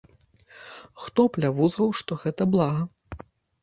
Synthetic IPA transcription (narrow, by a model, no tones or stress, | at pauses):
xt̪ɔplʲavuzɾɐwʂt̪ɔɣɛt̪ɐblˠaɣɐ